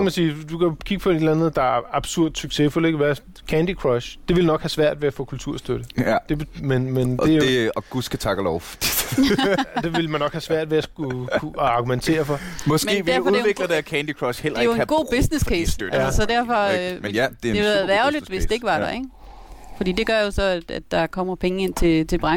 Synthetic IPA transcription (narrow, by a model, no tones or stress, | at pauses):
kæmænsiːd̥ukʰækʰiɡ̥əpʰɒed̥lænð̩ˠd̥ɑ̈æɐɑ̈b̥suɐ̰d̥syɡ̥se̝ful̰e̝ɡ̥ʋæ | kʰænd̥ikʰʁɒɕd̥e̝ʋe̝lnɒ̽ɡ̥hæsʋæɐ̰d̥ʋe̝æfɔːkʰult͡sʰuɐ̰sd̥øɾ̥əd̥e̝menmen̥e̝æjɒɡ̥usɡ̥æt͡sʰɑ̈ɡ̥əlɒʊfd̥i̥ | d̥e̝ʋe̝lmænːɒ̽ɡ̥hæsʋæɐ̰d̥ʋeæsɡ̥uuɑ̈ɡ̥ument͡sʰe̝̰ːɐfɒ̽mɒsme̝̰ːʋedæɐ̰fɒuðˠe̝ɡ̥ləd̥eækʰænd̥ikʰʁɒɕhel̰ɐ̥e̝joeɡ̥o̝̰ːb̥esneskʰeːsødssɒ̽d̥æɐ̰fɒmæd̥eeʋeððˠæɐlid̥ʋe̝sd̥e̝eɡ̥əʋɑ̥ɑeɡ̥ | fɒd̥ḭːd̥e̝ɡ̥ɶɐjo̝sɒ̽æd̥æd̥ːɑ̈kʰɒ̽m̰ɐpʰeŋəe̝n̰t͡sʰe̝t͡sʰe̝lb̥ʁɑ